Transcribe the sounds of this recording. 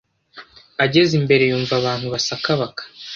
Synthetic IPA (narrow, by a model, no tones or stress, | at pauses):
aɟe̞zimbe̞ɾe̞juːɱvaβaːn̥huβasakaβakḁ